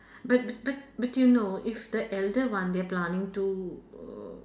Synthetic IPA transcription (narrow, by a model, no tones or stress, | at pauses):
bɐt̚b̚bɐt̚bɐʈjunoːʔɪfd̪əʔɛlɖəʋãnd̪eaplanĩŋʈu